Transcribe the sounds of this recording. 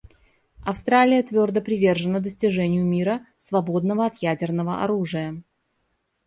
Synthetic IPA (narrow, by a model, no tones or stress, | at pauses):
ɐfst̪ɾalʲɪjət̪vʲo̞rd̪əpɾʲɪvʲe̞rʐɨnəd̪əsʲtʲɪʐɛnʲɪjʊmʲiɾəsvɐbo̞d̪nəvəɐt̪jædʲɪrnəvəʔɐ̰ɾuʐɨjə